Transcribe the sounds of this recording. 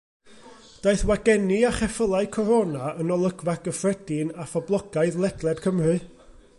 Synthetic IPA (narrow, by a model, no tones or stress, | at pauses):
d̥aɨθwaɡɛniaχɛfəlˠaɨkʰɔɾonaənɔlˠəɡvaɡəfrɛd̥ɪnafɔblˠɔɡ̥aɨðlˠɛɡ̥lˠɛd̥kʰəmrɨ